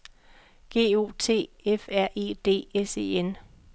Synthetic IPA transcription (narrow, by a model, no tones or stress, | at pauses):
ɡ̥e̝̰ːo̝̰ːt͡sʰe̝̰ːefæɐ̰ʔe̝̰ːd̥e̝̰ːese̝̰ːen